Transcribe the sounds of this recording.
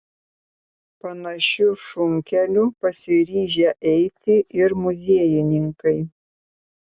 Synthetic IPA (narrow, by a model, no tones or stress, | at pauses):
pɐnɐʃʲʊʃʊŋʲkʲɛlʲʊpɐsʲɪɾʲiːʒʲɛʔɛɪt̪ʲɪʔɪɾmʊzʲiɛjɪnʲɪŋkɐɪ